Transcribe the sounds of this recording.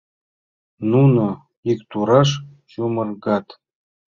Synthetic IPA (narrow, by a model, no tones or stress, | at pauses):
nuno | ikt̪uɾɑʂ | ɕumɤ̆rɡɑt̪